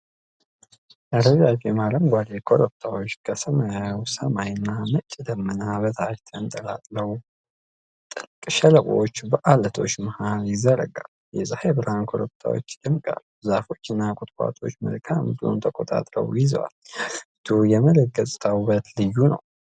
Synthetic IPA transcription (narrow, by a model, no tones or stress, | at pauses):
ʔəɾəzat͡ʃemaɾəmɡʷad̪ekʰo̞ɾop̚t̪ʰawo̞t͡ʃːkʰəsəməjawsəmajɨnːamət͡ʃʼːɪd̪əmːɨnaβət̪ʰaʃt̪ʰənt̪ʼəla̰t̪ʼləw | t̪ʼɨlkʼʃɛləkʼo̰t͡ʃːbəʔalət̪ʰo̞t͡ʃːmahalizəɾə̰ɡal | jɛzahebɨɾhankʰo̞ɾop̚t̪ʰa̰wo̞̰t͡ʃːd̪əmkʼa̰ɾ | zafo̞t͡ʃːɨnːakʷʼʊt̪ʼkʼa̰t̪ʰo̞̰t͡ʃːmə̰lkʰambɨlo̰nt̪ʰəkʼo̞t̪ʼa̰t̪ʼɾə̰wjɪzə̰wa̰lɨt̪ʰujɛmələɡ̚əsʼt̪ʰawbət̪lɨjːunə̰w